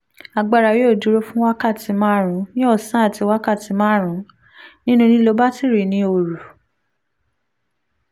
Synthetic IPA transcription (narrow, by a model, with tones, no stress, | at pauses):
a˨ɡ͡ba˨ɾa˨je˨˦o˦˨du˨˦ɾo˦fũ˦wa˦ka˦˨ti˧˦mã˦˨ɾ̃ũ˨˦nĩ˦ɔ˦˨sã˨˦a˦˨ti˧˦wa˦ka˦˨ti˨˧mã˦˨ɾ̃ũ˨˦ | nĩ˦nũ˦nĩ˦lo˨˧˦ba˦ti˦˨ɾe˨nĩ˧˦o˨ɾu˨